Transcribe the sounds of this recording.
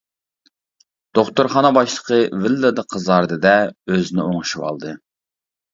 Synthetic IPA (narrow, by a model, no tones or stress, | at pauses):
d̪̥oχt̪oɾχɑnəbɑʃlˠəqʰəvɪlːəd̪ɨqʰəzɑɾd̪ɨd̪ɛøznɪoŋʃiwɑ̰lˠd̪ɨ